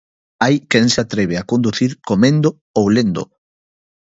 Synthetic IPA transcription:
ajkɛnseat̪ɾeβ̞eakond̪uθiɾkomẽnd̪o | owlend̪o̰

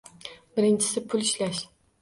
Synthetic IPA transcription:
bɪɾɪnt͡ʃʰɪ̥sɪpʰʊlˠɪʃlaʃ

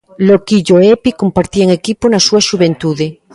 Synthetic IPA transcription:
lokiʎoepikompaɾt̪iaeŋekiponasuaʃuβẽnt̪uðe

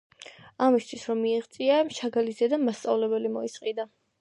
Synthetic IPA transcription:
amist̪ʰwisɾɔmːiɛʁt̪sʼiamʃaɡalizɛd̪amast̪sʼavlɛbɛlimɔisʼqʼid̪a

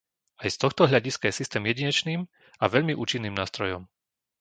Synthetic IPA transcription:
ajst̪ɔxt̪ɔɦʎaɟiskajɛsist̪ɛːmjɛɟiɲɛt͡ʃniːm | aʋɛʎmiʔṵːt͡ʃinːiːmnaːst̪ɾɔjɔm

